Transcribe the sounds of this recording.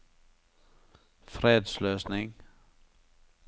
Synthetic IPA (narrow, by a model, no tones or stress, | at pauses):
fʁeːd̪sløːsnɪŋ